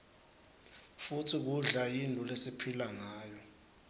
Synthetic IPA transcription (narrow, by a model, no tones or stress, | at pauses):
futʰik̬uɮajindʼʱulesipʰilaŋaːjɔ